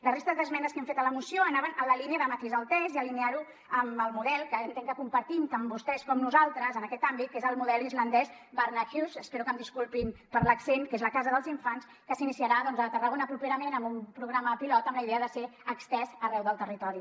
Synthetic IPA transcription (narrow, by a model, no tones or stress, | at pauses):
lərest̪əzd̪əzmɛnəskɛɱfet̪ələmusioənaβənələliniəðəmət̪izəlˠt̪ɛziəliniaɾu | əməlˠmuðɛlˠkəːnt̪eŋkəkumpəɾt̪imt̪ambust̪ɛskɔmnuzalˠt̪ɾəzənəkɛt̪ambit̪̚kezəlˠmuðɛlizlənd̪ɛz | bəɾnaxjuzəspeɾukəmd̪iskulˠpimpəɾləksenkezləkazəðəlˠziɱfans | kəsinisiəɾaðɔnzət̪ərəɣonəpɾupeɾəmenəmbumpɾuɣɾaməpilɔt̪əmləiðeəðəseəkst̪ɛzərɛwðəlˠt̪ərit̪ɔɾi